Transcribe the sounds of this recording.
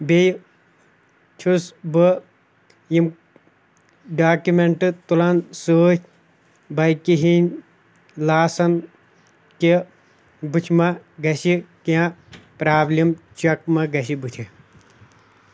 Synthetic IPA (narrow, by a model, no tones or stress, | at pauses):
bej | t͡ʃʰusbɨ | jim | ɖaːkumeɳʈɨt̪ulɐnsoːt͡ʃʰ | bɐjkiɦinʲ | laːsɐn | ki | but͡ʃʰmɐɡɐsikiãpɾaːblimt͡ʃɐkmɐɡɐsibut̪ʰi